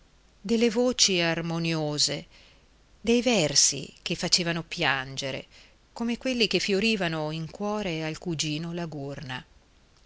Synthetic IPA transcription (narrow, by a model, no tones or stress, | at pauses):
d̪elːevoːt͡ʃiarmonjoːze | d̪ejvɛrsḭkefːat͡ʃeːvanopjand͡ʒeɾḛ | komekwelːikefːjoɾiːvanoiŋkwɔːɾealkud͡ʒiːnolaɡurna